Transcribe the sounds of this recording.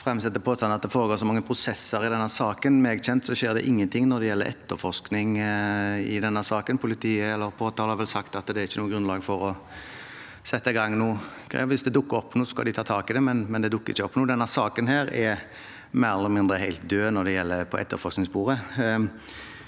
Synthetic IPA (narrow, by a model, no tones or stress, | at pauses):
fʁɛmːsɛt̪ːəpʰoːst̪ɑnəɑt̪d̪ɛfoːɾəɡoːsɔmɑŋːəpʰɾʊsɛsːəɾɪd̪ɛnːəsɑːkənmeːɡçɛnt̪sɔʃeːɾd̪ɛ̰ʔɪŋːənt̪ʰɪŋnɔd̪ɛjɛlːə̰ɾʔɛ̰t̪ːəɾfɔʂknɪŋ | ɪd̪ɛnːəsɑːkənpʰʊlɪt̪ʰiːəɛlːəɾpʰoːt̪ʰɑːləhɑɾʋɛlsɑkt̪ɑt̪d̪ɛːɾɪçːənuːəɡɾʉnlɑːɡfɔɾɔ | sɛt̪ːəɪɡɑŋːnuːkʰɛ̰ʋɪsd̪ɛd̪ʊkːəɾɔpːnuːsɔskɑ̰d̪ɪt̪ʰɑːt̪ʰɑːkɪd̪ɛmɛnmɛnd̪ɛd̪ʊkːəɾɪ̰çːəɔpːnuːd̪ɛnːəsɑːkənɦeːɾɛ | mæːɾɛlləmɪnd̪ʁəhæɪlt̪̚d̪øːnɔd̪ɛjɛlːəpʰɔɛ̰t̪ːəɾfɔsknɪŋsbuːɾə